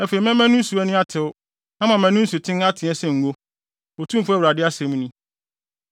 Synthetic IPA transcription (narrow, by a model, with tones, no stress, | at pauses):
æ˦fe˨i˨˦mɛ̃˦mɛ̃˦nũ˦n̩˦su˨ɛ˦nʊ̃˦a˦tʰɪ˨ʊ˦ | ã˦mã˨mæ̃˨nʊ̃˦n̩˦su˨tʰɪ̃˦na˦tʰɪ̃˨ɛ˦sɛ̃˨ŋ̩˨ɡo˦ | o˨tʰũ˦m˦fʊ˦ɛ˦wɾa˨dɪ˦a˦sɛ̃˨m̃˦nĩ˦